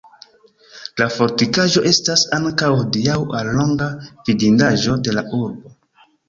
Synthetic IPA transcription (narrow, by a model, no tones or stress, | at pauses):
lafo̞ɾtikaʒo̞ʔe̞stasaŋkawhodiawalːo̞ŋɡav̥idindaʒo̞de̞laʔuɾbo̞